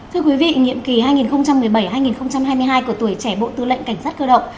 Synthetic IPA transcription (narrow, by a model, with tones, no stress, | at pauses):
t̪ʰɨ˧əkwi˨˦vḭ˧˨ŋḭ˧˨əmki˨˩haː˧jŋi˨˩nxə˧wŋ͡mt͡ɕa˧mːɨ˨˩əjɓa˧˩jhaː˧jŋi˨˩nxə˧wŋ͡mt͡ɕa˧mhaː˧jmɨ˧əjɦaː˧jku˧˩ət̪u˧˩əjt͡ɕɛ˧˩ɓo̰˧˨t̪ɨ˧lə̰˧˨ŋka˧˩ŋ̟saː˦˥t̚kəː˧ɗə̰˧˨wŋ͡m